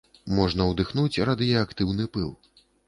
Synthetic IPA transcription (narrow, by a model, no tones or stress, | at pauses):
mɔʐnɐwd̪ɨxnut͡sʲrad̪ɨjɛakt̪ɨwn̪ɨpɨlˠ